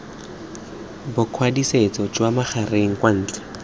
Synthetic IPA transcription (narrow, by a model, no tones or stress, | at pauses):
bʊkʰwadiset͡sɔd͡ʒwamaχareŋ̩kwan̩ːt͡ɬɛ̥